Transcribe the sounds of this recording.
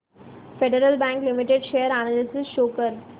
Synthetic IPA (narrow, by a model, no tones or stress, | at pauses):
feɖəɾəlbæ̃ŋklɪmiʈeɖʃeːjəɾanəlisɪsʃoːkəɾ